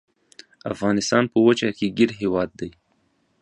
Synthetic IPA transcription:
a̰fɣɑnɪst̪ɑnpəwət͡ʃakeɡɪɾɦewɑd̪̚ːaj

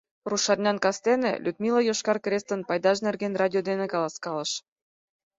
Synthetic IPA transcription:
ruʃɑrʲnʲɑnkɑst̪enḛlʲʔud̪milˠojoʃkɑrkrʲest̪ə̆npɑjd̪ɑʒnerɡenrɑdʲiod̪enĕkɑlˠɑskɑlɤ̆ʃ

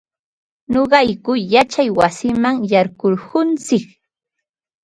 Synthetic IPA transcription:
noɢɑjkʊjat͡ʃajwasɪmaŋjaɾɢoɾhʊnt͡sɪk

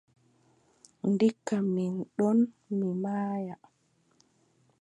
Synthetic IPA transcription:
ndikːaminɗɔn | mimaːja

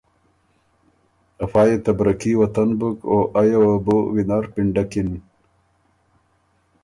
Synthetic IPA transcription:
ɐfaːjet̪ɐbɾɐkiwɐt̪ɐnbukoʔɐjawɐbowinaɾpiɳɖɐkin

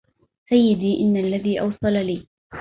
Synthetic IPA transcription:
sajːɪd̪iːʔɪnːalːaðiːʔɑ̰wsˤɑlaliː

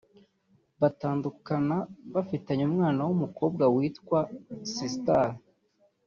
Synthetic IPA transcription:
βataːndukanaβafitaɲumŋaːnawumuko̞ːb̚ɡawiːtkwasistal

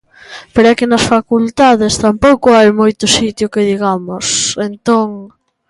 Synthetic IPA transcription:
peɾɛkɪnɐsfakult̪aðest̪ampowkʊajmojt̪ʊsit̪jʊkeðiɣamʊsent̪oŋ

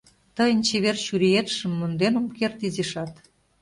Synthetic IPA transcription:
t̪əjənt͡ɕeβert͡ɕyɾijet̪ʃə̆mːond̪enumkert̪izeʃɑt̪

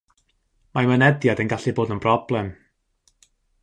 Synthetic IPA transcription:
majmənɛdjadənɡaɬɨboːdənb̥rɔblˠɛm

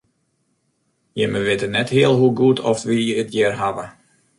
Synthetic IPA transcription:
jəməʋɪtənɛthiəlˠɦuɡutʰɔfʋijəətjɪrɦavə

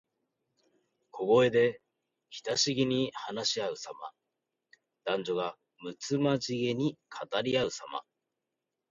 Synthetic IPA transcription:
kʰo̞ɡo̞e̞d̪e̞ | çʲi̥t̪aɕiɡʲiɲ̟ihanaɕiaɯ̟sama̰ | d̪̥ãɲ̟d͡ʑo̞ɡa | mɯ̟t͡sɨmaʑiɡe̞ɲ̟ikʰat̪aɾʲiaɯ̟sama̰

